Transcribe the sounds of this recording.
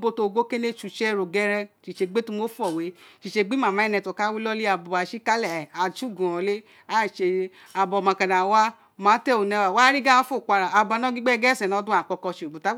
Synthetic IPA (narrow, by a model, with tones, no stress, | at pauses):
bo˦to˧˨ɡo˦ke˦ne˦t͡ʃu˨t͡ʃɛ˦˨ɾo˨ɡɛ˦ɾɛ˧ʃi˨ʃe˧ɡ͡be˦tu˦mo˦fu˦ɔ˨we˨˦ʃi˨ʃe˧ɡ͡bi˦mã˨mã˨˦nɛ̃˧tɔ˨ka˦wi˦lɔ˦li˦a˨bɔ˨a˨ʃi˦ka˦lɛ˨a˨d͡ʒu˦˨ɡũ˨ɔ˨le˦ | a˦˨ʃe˧˦ | a˨bɔ˨mã˨kã˨da˨˦wa˦ | mãː˨˦tɛ˦˨o˨nɛ̃˧wa˨wa˦ɾi˦ɡa˦a˦fo˦˨kʷa˧ɾa˨a˨bɔ˧˨nã˦ɡi˦ɡ͡bɛ˦ɡɛ˦sɛ̃˨nɔ̃˨˧˦dũ˦a˨k͡pɔ˧kɔ˧ʃe˨ɡ͡bu˨ta˨˦